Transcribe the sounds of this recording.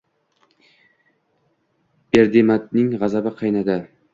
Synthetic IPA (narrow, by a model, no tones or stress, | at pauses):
eɾd̪emat̪nɪŋʁɑzabaqʰɑjnad̪a